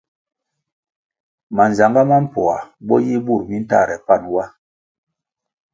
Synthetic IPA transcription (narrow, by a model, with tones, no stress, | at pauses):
ma˨n˨za˨ŋɡa˦ma˦m̩˦˨pɔ˨a˨bɔ˦ji˦bu˦˨ɾmi˦n̩˦ta̰˦˨ɾɛ˨pa˦˨nwa˦